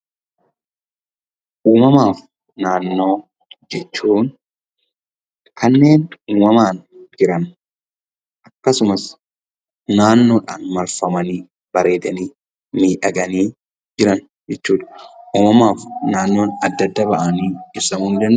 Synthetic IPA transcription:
ʔuːmɐmaːf | naːnːo̞ː | d͡ʒɛt͡ʃːuːn | kɐnːe̞ːnuːmɐmaːnd͡ʒɪɾɐn | ʔɐkːɐsʊmɐs | naːnːo̞ːᶑaːnmɐlfɐmɐniː | bɐɾe̞ːt̪ɐniː | miːᶑɐɡɐniː | d͡ʒɪɾɐn | d͡ʒɛt͡ʃːuːᶑɐ̥ʔuːmɐmaːfnaːnːo̞ːnɐd̪ːɐd̪ːɐbɐʔɐniːɪsɐmuːnd̪ɐn

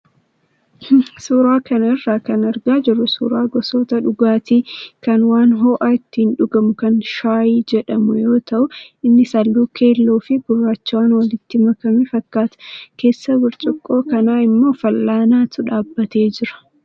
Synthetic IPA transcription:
suːɾaːkɐnɪrːaːkɐnɐɾɡaːd͡ʒɪrːʊsṵːɾaːɡɔsoːt̪ɐᶑʊɡaːt̪iːkɐnwaːnɦɔːʔaɪt̪ːɪhɪnᶑʊɡɐmʊkɐnʃaːjid͡ʒɛᶑɐmʊjo̞ːt̪ʰɐʔʊɪnːɪsɐlːuːkʰe̞ːlːuːfɪɡʊrːaːt͡ʃːɪwaːnwɐlɪt̪ːɪmɐkɐmɪfɐkːaːt̪ʊ̥ke̞ːsːɐwɪɾt͡ʃʼʊkʼːo̞ːkɐnaːɪmːo̞ːfɐlːaːnaːt̪ʊᶑaːbːɐt̪e̞ːd͡ʒɪɾɐ̥

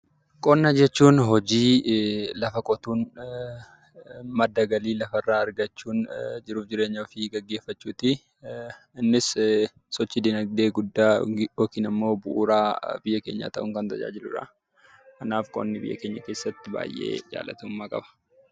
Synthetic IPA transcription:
kʼɔnːɐd͡ʒɛt͡ʃːuːnɦɔd͡ʒiːlɐfɐkʼɔt̪uːn | mɐd̪ːɐɡɐliːlɐfɐrːaːɐɾɡɐt͡ʃːuːnd͡ʒɪɾuːfd͡ʒɪɾe̞ːɲːɐfɪɡɐɡːe̞ːfːɐt͡ʃːuːt̪ɪ | ɪnːɪs | sɔt͡ʃːɪd̪ɪnɐɡ̚d̪e̞ːɡʊd̪ːaːjoːkiːnɐmːo̞ːbʊʔuːɾaːbɪjːɐke̞̰ːɲːa̰ːt̪ɐʔʊŋkɐnt̪ɐd͡ʒa̰ːd͡ʒɪlʊᶑɐ̰ | kɐnaːfkʼɔ̰nːɪbɪ̰jːɐ̰keːɲːɐke̞ːsːɐt̪ːɪba̰ːjʔḛːd͡ʒa̰ːlɐ̰t̪ʊmːaːkʼɐ̰bɐ̥

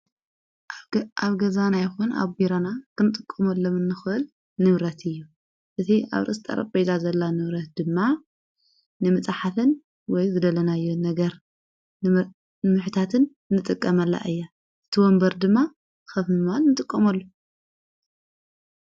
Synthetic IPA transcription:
ʔaβɡɐzanajxuna̰βɡiɾanakʰɨnɨt̪ʼɨkʼːɐmɐlːomɨnːɨxʔɨl | nɨβɾɐt̪ʰɨjːu | ʔɨt̪ʰia̰βɾɨʔst̪ʼɐ̰ɾɐ̰kʼbejt̪ʰazɐlːanɨβɾɐt̪̚d̪ɨmːa | nɨmɨt͡sʼaħafɨn | wɔjzɨd̪ɐlɐnajːonɐɡɐɾ | nɨmɨħt̪ʰat̪ʰɨn | nːɨt̪ʼɨkʼːɐmɐlːa̰ʔɨjːa | ʔɨt̪ʰiwɔmbɐɾd̪ɨmːa | xɐfmɨmanːɨt̪ʼɨkʼːɐmɐlːo

